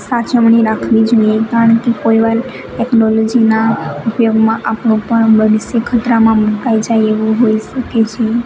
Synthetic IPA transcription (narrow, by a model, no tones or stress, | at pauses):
sat͡ʃəmɳiɾakʰʋid͡ʒoiekaɾəɳkekoiʋal | ʈɛknɔlɔd͡ʒinaupjoɡmãʔapɳũpəɳbəʋisekʰət̪ɾamãmũkaid͡ʒajeʋũɦoiʃəket͡ʃʰe